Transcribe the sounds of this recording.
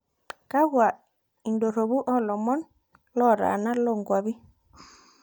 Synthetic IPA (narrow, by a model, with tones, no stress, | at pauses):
ka˦ɣwa˨ | i˨ndo˨ɾo˨βu˦ʔɔ˦˨lɔ˨mɔ˦n | lɔ˦˨ɾa̰˨na˦lɔ˦˨ŋɡwa˨βi˦